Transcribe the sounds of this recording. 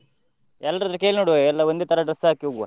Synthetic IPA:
ɛlːɐɾd̪ɾɐkeːlinoːɽuʋeɛlːɐond̪et̪ʰɐɾɐɖɾɐsːɦaːkiɦoɡuʋa̰

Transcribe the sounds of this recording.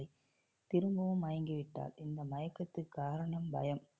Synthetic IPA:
ɪ | t̪ɪɾɯmbɐʋɯmaːjɐŋɡɯʋɪʈːa̰ːlɪnd̪ɐmɐjɐkːɐt̪ːɯkːaːɾɐɳɐmbɐ̰jɐm

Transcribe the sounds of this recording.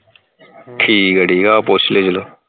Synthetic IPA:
ʈʰiːkəɽiːɡaːpoːsleːd͡ʒəloː

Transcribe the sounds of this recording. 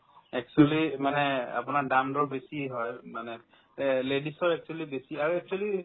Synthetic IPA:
ɛk̚t͡ʃualimanɛa̰pʊnaɹdamdɔɹbesiɦɔjmanɛ | ledisɔɹɛk̚t͡ʃualibesiaɹuɛk̚t͡ʃuali

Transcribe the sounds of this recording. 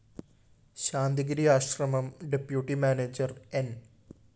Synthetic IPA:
ɕaːnd̪iɡɾijaːɕrɐmɐmɖepjuːʈːimaːneːd͡ʑɐren

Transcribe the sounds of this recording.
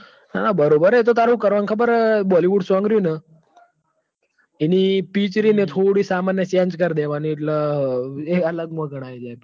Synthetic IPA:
na̰nabəɾobəɾet̪ot̪aɾɦũkəɾʋankʰəbəɾbɔliʋuːɽsʋãŋɡɾjũnə | inipit͡ɕɾinet̪ʰoɽiːsamanjəsãnd͡ʒkəɾd̪eʋaniːʈlə | eələɡməɡəɽ̃aid͡ʒaj

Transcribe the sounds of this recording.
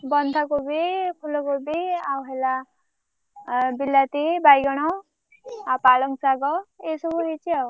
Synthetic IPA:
bʌnt̪ʰakobipʰulokobiawɦela | bilːat̪ibajɡʌɽ̃ɔ | apalʌŋsaɡɔesoboɦet͡sʰiaw

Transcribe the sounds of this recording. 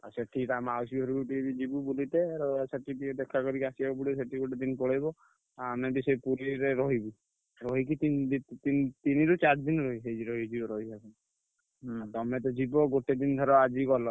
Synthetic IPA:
a̰sɔʈʰikamawsiɦɔɾuɡuʈibid͡ʒibubulit̪eɾɔsaʈid̪id̪ekʰakɔɾikasiabɔbuɽisɔʈiɡoʈed̪inpɔɽajbɔ | aamnabisɔjpuɾiɾeɾɔɦibi | ɾɔɦikit̪ind̪it̪int̪iniɾut͡ʃaɾd̪inɾɔɦiɦed͡ʒiɾɔɦid͡ʒibɔɾɔɦiasɔn | at̪ɔmet̪̬ɔd͡ʒibɔɡoʈed̪ind̪ʱɔɾɔad͡ʒiɡɔlɔ

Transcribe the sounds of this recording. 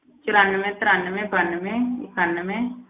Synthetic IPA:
t͡ʃʊɾənːmẽt̪ɾanmẽbʱənmẽɪkʰənːmẽ

